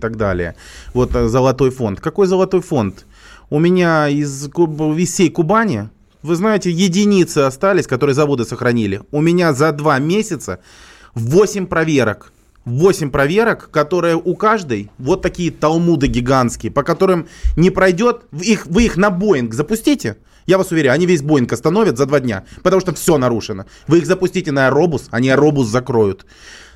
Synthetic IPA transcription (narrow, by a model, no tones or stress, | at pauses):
t̪aɡ̚d̪a̰lʲɪ̰jə̰vo̞t̪zəlˠɐt̪o̞jfo̞̰nt̪kɐko̞jzəlˠɐt̪o̞jfo̞nt̪ | ʊmʲɪnʲaɪzkʊɪssʲejkʊbanʲɪ | vɨznajɪtʲɪjɪdʲɪnʲit̪sɨɐst̪alʲɪsʲkɐt̪o̞ɾɨjəzɐvo̞d̪ɨsəxɾɐnʲilʲɪʊmʲɪnʲazɐd̪vamʲesʲɪt̪sə | vosʲɪmʲpɾɐvʲe̞ɾək | vo̞sʲɪmʲpɾɐvʲe̞ɾəkːɐt̪o̞ɾɨjəʔʊkaʐd̪ɨjvo̞t̪ːɐkʲijət̪ɐlˠmud̪ɨɡʲɪɡant̪skʲɪjəpəkɐt̪o̞ɾɨmnʲɪpɾɐjdʲo̞t̪vixvɨixnɐbo̞ɪnkzəpʊsʲtʲitʲɪ | javasʊvʲɪɾʲæʊɐnʲivʲes̬ʲbo̞ɪnkɐst̪ɐnovʲɪt̪zɐd̪vadʲnʲa̰pət̪ɐmuʂt̪ofsʲo̞nɐɾuʂɨnə | vɨixzəpʊsʲtʲitʲɪnəɐɾo̞bʊsɐnʲiɐɾo̞bʊszɐkɾo̞jʊt̪